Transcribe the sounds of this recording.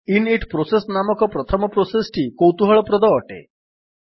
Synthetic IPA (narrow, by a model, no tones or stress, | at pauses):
ineʈʰpɾosesnamɔkɔpɾɔt̪ʰɔmɔpɾosesʈʰikowt̪uɦɔɭɔpɾɔd̪ɔːʈḛ